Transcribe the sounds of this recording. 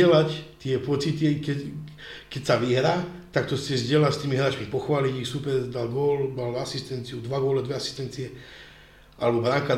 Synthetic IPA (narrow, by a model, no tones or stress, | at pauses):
ɛlact̪ɪɛpɔt͡sit̪ikɛ | kɛcsaʋiɦɾaːt̪ak̚t̪ɔscɛzɟɪɛlacst̪iːmiɦɾaːt͡ʃmipɔxʋaːlicixsupɛɾd̪alɡɔːldalasist̪ɛnt͡siud̪ʋaɡɔlɛd̪ʋɛasi̥st̪ɛnt͡siɛ | a̰lɛbɔbɾaŋka